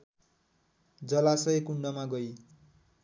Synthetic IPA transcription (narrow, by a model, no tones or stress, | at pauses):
d͡zʌlasʌekuɳɖʌmaɡʌj